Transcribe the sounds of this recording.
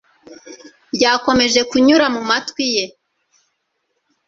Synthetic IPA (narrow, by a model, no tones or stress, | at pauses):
bɟaːko̞me̞ʒe̞kuɲuɾamumatwije̞